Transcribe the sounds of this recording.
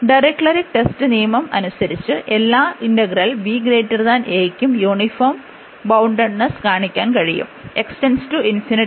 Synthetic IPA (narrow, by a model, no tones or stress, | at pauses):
ɖɐɾekʈɐɾikʈe̞stɨnijɐmɐmɐ̰nusɐɾit͡ɕːɨʔe̞lːaːinɖɐɡɐrɐlʋiːɡɾeːʈːɐrðaːneːjkʲːumjuːɳifoːm | bɐwɳɖɐɽnɐskaːɳikʲːaːnkɐɻijṵme̞ksʈenstuinfiniʈ